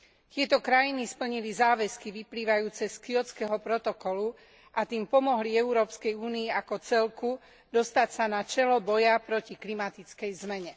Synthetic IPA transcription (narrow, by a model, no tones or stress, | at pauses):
t̪ɪɛt̪ɔkɾajinispl̩ɲilizaːʋɛskiʋipliːʋajuːt͡sɛskiɔt͡skɛɦɔpɾɔt̪ɔkɔlu | ʔat̪iːmpɔmɔɦliɛuɾɔːpskɛjuːniːakɔt͡sɛlku | d̪ɔst̪acsanat͡ʃɛlɔbɔjapɾɔciklimat̪it͡skɛjzmɛɲɛ